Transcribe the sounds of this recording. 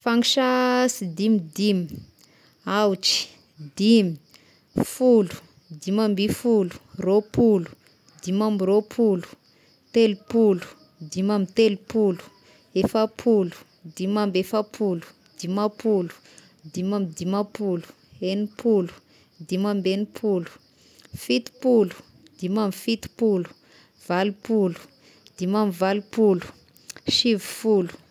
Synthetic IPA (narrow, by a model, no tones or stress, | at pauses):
faŋiʃasid̪imid̪imi̥ | awt͡ʃi̥ | d̪imi̥ | fulu̥ | d̪imambifulu̥ropulu̥ | d̪imamiropʰulu̥ | t̪elipulu̥ | d̪imamit̪elipulu̥ | efapʰulu̥ | d̪imambefapʰulu̥ | d̪̥imapulu̥ | d̪imamid̪imapulu̥ | enipʰulu̥ | d̪imambenipʰulu̥ | fit̪i̥pulu̥ | d̪̥imamifit̪i̥pulu̥ | v̥alipulu̥ | d̪̥imamivalipulu̥ | ʃivi̥fulu̥